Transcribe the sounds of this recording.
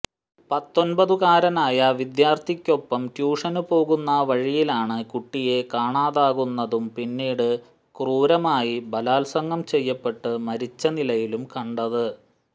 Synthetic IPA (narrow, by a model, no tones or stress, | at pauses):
pɐt̪ːo̞nbɐðɨkaːɾɐnaːjɐʋid̪jaːrt̪ʰikʲːo̞pːɐmt̪juːʂɐnupo̞ːɣunːɐʋɐɻijilaːɳɨkuʈːije̞kaːɳaːðaːɣunːɐðumpinːiːɽɨ | kruːɾɐmaːjibɐlaːlsɐŋɡɐmt͡ɕe̞jːɐpːe̞ʈːɨmɐɾit͡ɕːɐnilɐjilumkɐɳɖɐðɨ